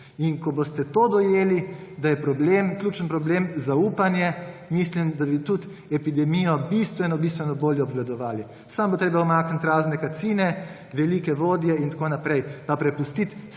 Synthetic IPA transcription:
inkɔbost̪ɛt̪od̪ɔjeːlid̪ajɛpɾɔbleːmklʲjuːt͡ʃənpɾɔblemzauːpanjɛmislimd̪abit̪ut̪ | ɛpid̪ɛmijɔbist̪ʋɛnɔbist̪ʋɛnɔboːljɛɔbʋlad̪ɔʋaːli | sambot̪ɾeːbaɔmaːknat̪ʲɾaːznɛkat̪siːnɛ | ʋɛlikɛʋoːd̪jɛint̪akoːnapɾɛjpapɾɛpust̪it̪

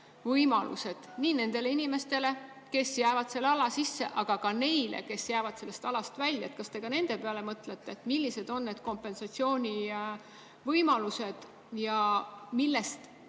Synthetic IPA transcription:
vɤjmɑlṵse̞d̪̥niːne̞nd̪̥e̞leinʲime̞st̪e̞le̞ | ke̞sjæːvɑd̪̥se̞lːeɑlɑsisːe̞̰ʔɑɡ̥ɑkɑne̞jlʔḛke̞sjæːvɑd̪̥se̞lːe̞st̪ɑlɑst̪vælʲjɑet̪̚kɑst̪e̞ɡ̥ɑne̞nd̪̥e̞pe̞ɑle̞mɤt̪le̞t̪ːeːt̪milʲːise̞d̪̥o̞nːe̞d̪̥̚ko̞mpːe̞nsɑt̪sio̞ːnʲi | vɤjmɑluse̞d̪̥ | jɑmilːe̞st̪

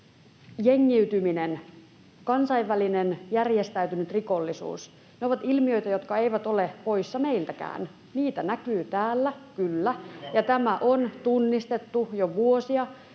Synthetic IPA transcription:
jeŋːiyt̪yminen | kɑnsɑiʋːælinenjærjest̪æyt̪ynyt̪rikolːisṵːs | neoʋɑt̪ilmiø̞jt̪æjot̪kɑeiʋæt̪olepo̞isːɑme̞ilt̪ækæ̰ːn | niːt̪ænækyːt̪æːlːækylːæjɑt̪æmæʔont̪unːist̪e̞t̪ːujoʋuosiɑ

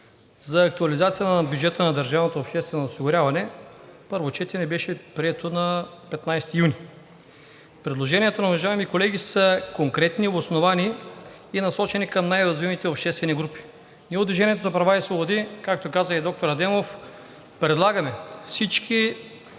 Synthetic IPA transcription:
zɐːk̚t̪uɐlizat̪sijənbʲjud͡ʒɛt̪ənɐd̪ɐɾʒavnot̪oːpʃt̪ɛst̪vɛnoːsiɡʊɾʲavɐnɛpɤɾvot͡ʃɛt̪ɛnɛbɛʃɛpɾiɛt̪onɐpɛt̪najst̪ijunʲi | pɾɛd̪lˠoʒɛniɛt̪onɐʊvɐʒaɛmikolɛɡʲisəkoŋkɾɛt̪niosnovani | inɐsɔt͡ʃɛnikɐmnajɾɐzvimit̪ɛopʃt̪ɛst̪vɛniɡɾupi̥ | nɛʊd̪viʒɛniɛt̪ozɐpɾɐvaisvobod̪ikakt̪okazəid̪ɔk̚t̪oɾɐd̪ɛmof | pɾɛd̪lˠaɡɐmɛfsit͡ʃkʰi

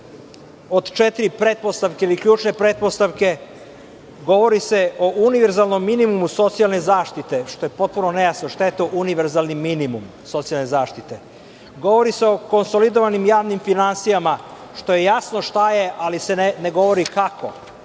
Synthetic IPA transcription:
od̪t͡ʃet̪iɾipɾet̪̚po̞st̪aʋkeiliklʎuːt͡ʃne̞pɾe̞t̪̚post̪aʋke̞ | ɡo̞ʋo̞ɾise̞o̞ʔuniʋe̞ɾzalno̞mːinimumuso̞t̪sijalne̞zaːʃt̪it̪e̞ʃt̪o̞je̞po̞t̪̚puno̞nejasnoʃt̪ajet̪o̞ʔuniʋe̞ɾzalˠniminimum | sot̪sialne̞zaːʃt̪it̪e̞ | ɡo̞ʋo̞ɾiseo̞ko̞nso̞lid̪oʋanimjaːʋnimfinansijama | ʃt̪o̞je̞jasnoʃt̪aje̞ʔalise̞neneɡo̞ʋo̞ɾikakʰo̞̰

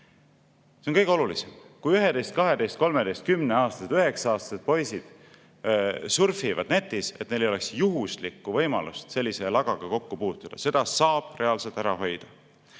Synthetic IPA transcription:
seonkɤjɡeo̞lulisemkujyɦe̞d̪e̞jst̪kɑɦe̞d̪e̞jst̪̚ko̞lmed̪e̞jst̪̚kymneɑːst̪ɑset̪yɦe̞ksɑɑːst̪ɑ̥se̞t̪̚po̞jsid̪̥ | surfivɑ̰d̪̥net̪ːˑise̞t̪̚ːnelejo̞le̞ksjuɦuslikːuvɤjmɑ̰lust̪se̞lʲːise̞lɑɡ̥ɑɡ̥ɑko̞kːupuːt̪ːˑud̪̥ɑ̰se̞d̪̥ɑsɑːb̥re̞ɑlse̞lt̪ːˑæɾɑɦo̞jd̪̥ɑ

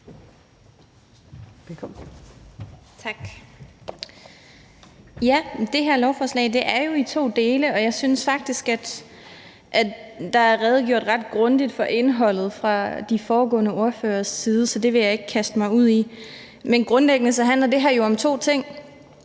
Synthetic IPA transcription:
kʰ | ɡ̥ | jæd̥e̝ɦæɐlɒʊfɒːslɛ̰ːɪd̥e̝ʔæɐjo̝it͡sʰo̝̰ːd̥e̝ːləɒ̽jɑ̈ɪsyːnsfɑ̈ɡ̥̚d̥isɡ̥æd̥ | ʔæd̥ɑ̈æælʁɛːð̞̩ˠɡ̥jo̝̰ɐ̰d̥ʁɑ̈d̥ɡ̥ʁɔ̽nd̥id̥fɒ̽ʔe̝nɦɒ̽l̰ð̞̩ˠfʁɑ̈d̥ifɒːɡɔ̰̽ːnəo̝ɐfø̰ːɐsːiːð̞ˠəsɒ̽d̥e̝ʋe̝jɑ̈e̝ɡ̥əkʰæsd̥əmɑ̈ɪuð̰ˠi | menɡ̥ʁɔ̽nleɡ̥ənəsɒɦænlɐd̥e̝ɦæɐjo̝ɒ̽mt͡sʰo̝̰ːt͡sʰe̝ŋ̰

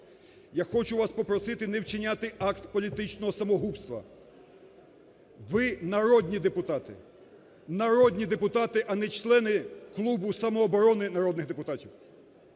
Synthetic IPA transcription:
jaxɔt͡ʃʊʋɑspɔpɾɔsɪt̪ɪnɛwt͡ʃɪnʲat̪ɪɑkt̪pɔlʲit̪ɪt͡ʃnɔɦɔsɐmɔɦupst̪ʋɐ̰ | ʋɪnɐɾɔd̪ʲnʲid̪epʊt̪ɑt̪ɪ̰ | nɐɾɔd̪ʲnʲid̪epʊt̪ɑt̪ɪʔɐnɛt͡ʃlˠɛnɪklˠubʊsɐmɔːbɔɾɔnɪnɐɾɔd̪nɪɣd̪epʊt̪ɑtʲiw

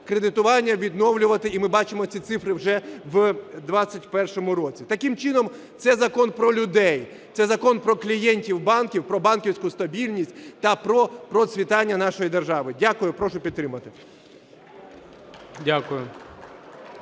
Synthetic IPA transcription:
kɾed̪ɪt̪ʊʋɑnʲːɐʋʲid̪nɔwlʲʊʋɐt̪ɪimɪbɑt͡ʃɪmɔtt͡sʲit̪sɪfɾɪwʒɛʋd̪ʋɑt͡sʲːɐtʲpɛrʃɔmʊɾɔt͡sʲit̪ɐkɪmt͡ʃɪnɔm | t̪sɛzɐkɔnpɾɔlʲʊd̪ɛj | t̪sɛzɐkɔnpɾɔklʲijɛnʲtʲiwbɑnkʲiwpɾɔbɑnkʲiwsʲkʊst̪ɐbʲilʲnʲisʲtʲt̪ɐpɾɔpɾɔsʲʋʲit̪ɑnʲːɐnɑʃɔjid̪erʒɑʋɪdʲakʊjʊpɾɔʃʊpʲid̪̚t̪ːɾɪmɐt̪ɪ | dʲakʊjʊ

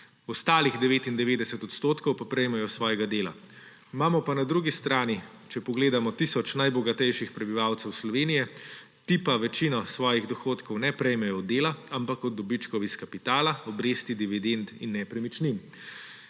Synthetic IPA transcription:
ɔst̪aːliɣd̪ɛʋeːt̪ind̪ɛʋeːd̪ɛsɛt̪ɔt̪st̪oːt̪kɔwpapɾɛjmɛjɔsʋɔːjɛɡad̪eːla̰ | maːmɔpanad̪ɾuːɡist̪ɾaːni | t͡ʃɛpɔɡleːd̪amɔt̪isɔt͡ʃnajbɔɡat̪ɛjʃixpɾɛbiʋawt̪sɛwslɔʋeːnijɛ | t̪ipaʋɛt͡ʃiːnɔsʋɔːjiɣd̪ɔxoːt̪kɔwnɛpɾɛjmɛjɔd̪eːlaampakɔd̪ːɔbit͡ʃkɔwiskapit̪aːlaɔbɾeːst̪id̪iʋid̪ent̪inːɛpɾɛmit͡ʃnim

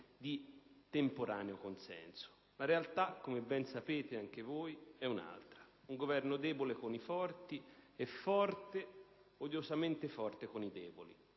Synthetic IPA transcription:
d̪it̪empoɾaːneokonsɛ̰nso̥ | laɾealt̪akːomebɛnsapeːt̪eaŋk̟evojɛuna̰lt̪ɾauŋɡovɛrnod̪ɛːbolekonifɔrt̪iefːɔrt̪e | od̪jozament̪efɔrt̪ekonid̪ɛːbolḭ

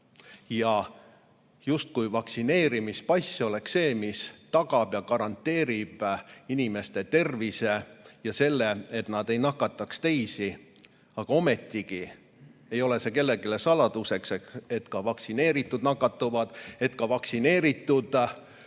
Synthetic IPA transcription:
jɑ | just̪̚kujvɑksine̞ːɾimispɑjsʲːo̞le̞kse̞ːmist̪ɑɡ̥ɑb̥jɑkɑɾɑnt̪ːˑe̞ːɾib̥inime̞st̪e̞t̪e̞rvise̞jɑse̞lːe̞et̪nɑd̪̥e̞jnɑkːˑɑt̪ːˑɑkst̪e̞jsi | ɑɡ̥ɑo̞me̞t̪ːiɡ̥i | e̞jo̞le̞se̞ke̞lːe̞ɡ̥ile̞sɑlɑd̪̥use̞kse̞ke̞t̪kɑvɑksine̞ːɾit̪ːˑud̪nɑkːˑɑt̪ːuvɑd̪̥e̞t̪kɑvɑksine̞ːɾit̪ːˑud̪̥

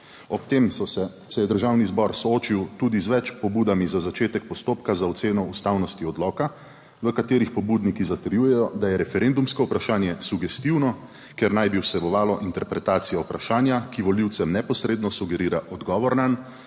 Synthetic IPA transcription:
ɔpt̪eːmsɔsɛ | sɛjɛd̪əɾʒaːwnizbɔɾsɔoːt͡ʃiwt̪uːd̪izʋɛt͡ʃpɔbuːd̪amizazat͡ʃeːt̪ɛk̚pɔst̪oːpkazaɔt̪seːnɔust̪awnɔst̪iɔd̪lɔːka | ʋəkat̪eːɾixpɔbuːd̪nikizat̪əɾjuːjɛjɔd̪ajɛɾɛfɛɾend̪umskɔupɾaʃaːnjɛsuɡɛst̪iwnɔ | keɾnajbiwsɛbɔʋaːlɔʔint̪ɛɾpɾɛt̪aːt̪sijaupɾaʃaːnjakiʋɔliwt̪sɛmnɛpɔsɾeːd̪nɔsuɡɛɾiːɾaʔɔd̪ɡɔːʋɔɾnan

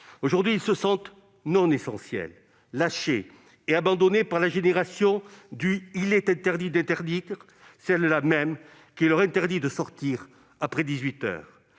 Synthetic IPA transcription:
oʒuʁd̪ɥiːlsəsɑ̃t̪ | nɔ̃nesɑ̃sjɛ̰lː | aʃeː | abɑ̃d̪ɔnepaʁlaʒeneʁasjɔ̃d̪yilɛt̪ɛ̃t̪ɛʁd̪id̪ɛ̃nt̪ɛʁd̪iʁ | sɛllamɛm | kʲilœʁɛ̃t̪ɛʁd̪id̪əsɔʁt̪iʁ | apχɛd̪izɥit̪œ̰ʁ

